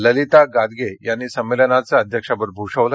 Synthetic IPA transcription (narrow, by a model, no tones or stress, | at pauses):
ləlit̪aɡad̪ɡejanːiːsəmːelənat͡saəd̪ʱjəkʂabəɾbʱuʂəʋlə